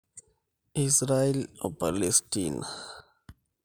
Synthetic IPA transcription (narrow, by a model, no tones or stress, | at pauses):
isɾaelopalestina